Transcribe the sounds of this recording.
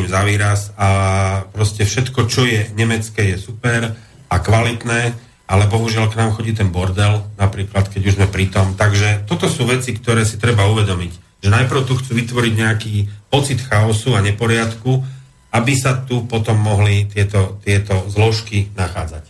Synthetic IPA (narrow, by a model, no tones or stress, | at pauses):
imzaʋiːɾasapɾɔscɛfʃɛt̪kɔt͡ʃɔjɛɲɛmɛt͡skɛjɛsupɛɾ | akʋalit̪nɛː | alɛbɔɦuʒɪalknaːmxɔɟiːt̪ɛnbɔɾd̪ɛlnapɾiːklat̪kɛɟuʒzmɛpɾit̪ɔmt̪aɡʒɛt̪ɔt̪ɔsuːʋɛt͡sikt̪ɔɾɛːsit̪ɾɛbauʋɛd̪ɔmic | ʒ̥ɛnajpɾ̩ʊt̪uxt͡suːʋit̪ʋɔɾiɟɲɛakiːpɔt͡sit̪xaɔsuaɲɛpɔɾɪat̪ku | abisat̪upɔt̪ɔmːɔɦlit̪ɪɛt̪ɔt̪ɪɛt̪ɔzlɔʃkinaxa̰ːd͡zac